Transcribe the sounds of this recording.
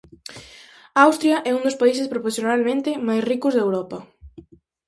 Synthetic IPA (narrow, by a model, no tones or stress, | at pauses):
awst̪ɾjɐʔɛund̪ospais̬ɪspɾoposjonalmẽnt̪ɪmajsrikʊzðewɾɔpɐ